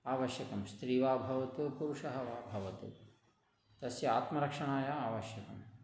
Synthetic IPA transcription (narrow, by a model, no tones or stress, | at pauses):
aːʋɐʃjɐkɐmst̪ɾiːʋaːbʱɐʋɐt̪upuɾuʂɐɦɐʋaːbʱɐʋɐt̪ṵ | t̪ɐsjɐaːt̪mɐɾɐkʂɐɳaːjaaːʋɐʃjɐkɐm